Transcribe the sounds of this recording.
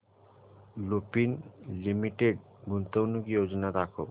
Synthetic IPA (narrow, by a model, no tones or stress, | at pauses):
lopinlimiʈeɖ̚ | ɡunt̪ownukjod͡ʒonad̪akʰo̰